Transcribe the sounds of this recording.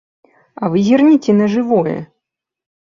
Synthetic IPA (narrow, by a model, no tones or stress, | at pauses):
ɐvɨzʲirnʲit͡sʲɛnɐʐɨvɔjɛ̰